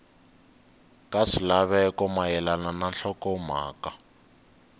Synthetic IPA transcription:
kaʂilaβɛkɔmajɛlanananɬɔkɔm̤a̰ːka

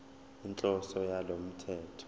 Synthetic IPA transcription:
int͡ɬʼɔsɔjalom̩tʰɛːtʰɔ̥

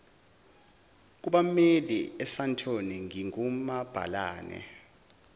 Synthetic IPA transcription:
k̬uɓameliɛsantʰoniŋiŋumab̥ʱa̰laːnɛ̰

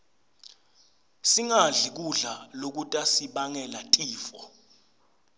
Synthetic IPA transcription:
siŋaɮik̬uɮalok̬utʼasiɓaŋɛlatʼiːfɔ

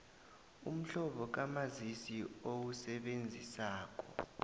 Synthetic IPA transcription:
um̩ɬɔɓɔk̬amazisiowusɛɓend͡zʱisaːk̬ʼɔ̥

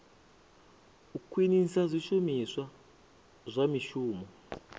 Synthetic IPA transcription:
ukʰwinisazʷiʃumiswa | zʷamiʃuːmɔ

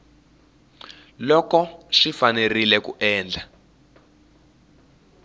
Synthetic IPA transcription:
lɔkɔʂifanerilɛkuʔɛːnd͡ɮʱa

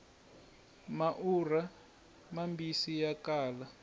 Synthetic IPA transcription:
maʔura | mambisijakaːla

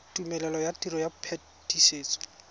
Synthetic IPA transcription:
tumɛlɛlɔjatiɾɔjapʰɛ | tiseːt͡sɔ̥

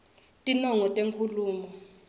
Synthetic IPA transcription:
tʼinɔŋɔtʼeŋkʰuluːmɔ

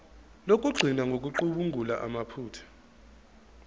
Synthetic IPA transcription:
lokʼuɡ͡ǀʱinaŋɡʱok̬ʼuǃuɓuŋʱulaʔamapʰuːtʰḁ

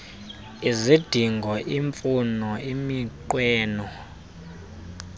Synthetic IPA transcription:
izid̥ʱiŋɡʱɔʔiɱfunɔimiǃwɛːnɔ

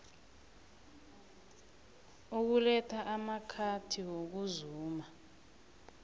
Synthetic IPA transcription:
uk̬ulɛtʰaʔamakʰatʰiwok̬uzuːma

